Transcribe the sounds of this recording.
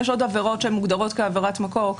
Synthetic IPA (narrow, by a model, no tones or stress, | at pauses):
eʃo̞d̪aveʁo̞tʃeemːuɡd̪aʁo̞tkeaveʁatmako̞ʁ